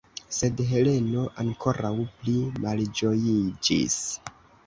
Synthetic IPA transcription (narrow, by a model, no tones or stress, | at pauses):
se̞dɦe̞le̞no̞ʔaŋko̞ɾʔawplimald͡ʒo̞jid͡ʒḭs